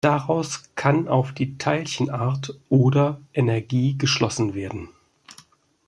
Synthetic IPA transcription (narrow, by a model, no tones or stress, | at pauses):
d̥aʁaʊskʰana̰ʊfd̥iːtʰaɪlçən̩ʔaɐtʔoːdɐʔɛnɛɐɡiːɡəʃlɔsn̩veːɐdn̩